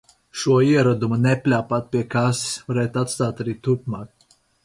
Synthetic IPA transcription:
ʃuɔiɛɾad̪umunɛpʲlʲaːpat̪̚pʲiɛkassvaɾɛːt̪at̪st̪aːt̪aɾiːt̪uɾpmaːk̚

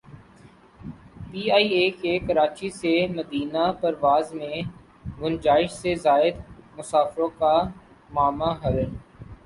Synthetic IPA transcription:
piːaːiːeːkekəɾaːt͡ʃiseməd̪iːnapɐɾʋaːzmẽ | ɡʊnd͡ʒaːɪʃsezaːɪd̪mʊsaːfɾõka | maːmaɦɐl

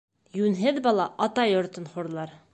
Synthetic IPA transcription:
jʉnɦɘd̪bɑlˠɑʔɒt̪ɑjɵ̆ɾt̪ə̆nχuɾlˠɑɾ

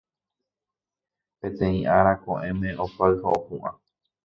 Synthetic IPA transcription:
pẽ̞t̪ẽĩʔaɾakõ̰ʔẽmẽ̞ʔopaɨhaopũʔã

